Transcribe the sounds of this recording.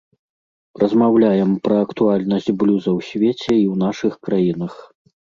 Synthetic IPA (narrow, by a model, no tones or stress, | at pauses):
rɐzmawlʲajɛmpɾɐːkt̪ualʲnɐsʲt͡sʲblʲuzɐwsʲvʲet͡sʲɛiwnaʂɨxkɾajinɐx